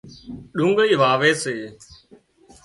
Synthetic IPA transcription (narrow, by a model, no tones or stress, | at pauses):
ɗuŋɡiːʋaːʋeːseː